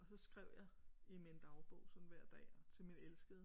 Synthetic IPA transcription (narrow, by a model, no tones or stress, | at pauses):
ɒ̽sɒ̽sɡ̥ʁɛʊ̰jɑ̈imend̥ɑ̈ʊb̥ɔ̰ʊsɒ̽n̩ʋæɐ̰d̥ɛ̰ːɒt͡sʰe̝lminelsɡ̥əð̩ˠ